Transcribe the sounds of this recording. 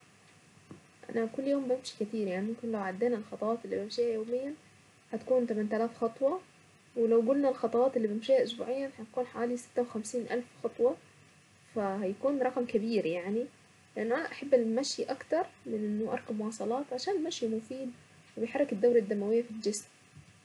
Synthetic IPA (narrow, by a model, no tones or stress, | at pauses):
ʔa̰nakʊlːjoːmbɪmʃi̥kɪt̪iːɾjaʕnimʊmkɪnlawʕad̪ːeːnalxɑt̪ˤɑwɑːt̪ɪlːḭbɪmʃiːhajoːmɪjːan | ħat̪kuːnt̪amant̪alaːfxɑt̪ˤwɑ | wɪlawɡʊlnalxɑt̪ˤɑwɑːt̪ɪlːiːbɪmʃiːhaʔʊsbṵːʕɪjːanħat̪akuːnħawaːlisɪ̥t̪ːawɪxamsiːnʔalfxɑt̪ˤwɑ | fahajakuːnɾˤɑqmkabiːɾjaʕni | lɪʔanːʊʔanaʔaħabːalmaʃjiʔakt̪ɑɾˤmɪnʔɪnːʊʔɑɾˤkabmʊwɑːsˤɑlɑːt̪ʕaʃaːnɪlmaʃjimʊfiːd̪ | wɪbɪjħɑɾˤːɪkɪd̪ːawɾad̪ːamːawɪjːafild͡ʒɪsm